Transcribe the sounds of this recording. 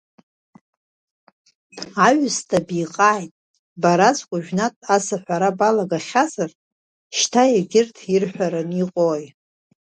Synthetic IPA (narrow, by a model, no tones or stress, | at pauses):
aɥʊstʰʼabijqʼaːjtʼ | baɾat͡sʰʼkʷʼʊʒᶣnatʼasaħʷᶣaɾabalaɡaχʲazar | ʃtʰajaɡʲɪrtʰirħʷᶣaɾaniqʼoj